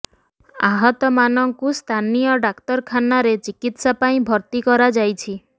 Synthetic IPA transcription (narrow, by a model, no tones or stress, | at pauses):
aɦɔt̪ɔmanɔŋkust̪ʰanijɔɖakt̪ɔɾkʰanaɾet͡ʃikit̪sapaĩbʱɔɾt̪ikɔɾad͡ʒajt͡ʃʰi